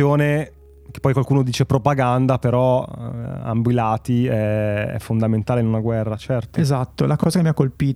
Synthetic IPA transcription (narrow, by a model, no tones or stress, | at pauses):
joːne | ke̥pːɔjkwalkuːnod̪iːt͡ʃepɾopaɡand̪apeɾɔ | a̰mbwilaːt̪iɛɛ̰fːond̪ament̪aːleinunaɡwɛrːat͡ʃɛrt̪oezat̪ːolakɔːzakemiakːolpiː